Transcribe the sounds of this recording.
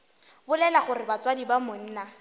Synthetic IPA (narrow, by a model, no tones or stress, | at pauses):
bʊlɛlaχʊrɪbat͡swadibamʊn̩ːna